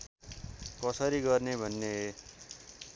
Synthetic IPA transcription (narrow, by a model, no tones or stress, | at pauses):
kʌsʌɾiɡʌrnebʱʌnːe